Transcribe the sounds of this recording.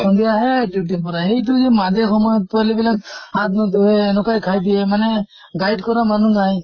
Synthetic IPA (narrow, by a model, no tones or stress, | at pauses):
ɔnd̪ijaɦeɖjuʈ̬ipɔɾaɦejt̪̬ud͡ʒemad̪exɔmɔjɔt̪̚palibilak̚hat̪nɔt̪uɦenɔkajkʰajd̪iemanɛ | ɡajɖkɔɾamanuŋaj